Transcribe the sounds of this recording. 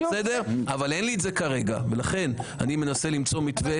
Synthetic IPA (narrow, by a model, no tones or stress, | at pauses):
sedeʁavale̞nliːtze̞kaʁe̞ɡa̰velaχe̞na̰nime̞nase̞limt͡so̞mit̪ve